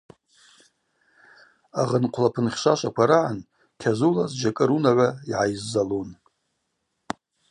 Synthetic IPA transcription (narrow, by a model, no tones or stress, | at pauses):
aʁənqʷʰlapʰɨnχʲʂʷaʃʷakʷʰaɾaʕan | kʲʰazulazd͡ʒakʼɨɾunaʕʷaiʕajzːalon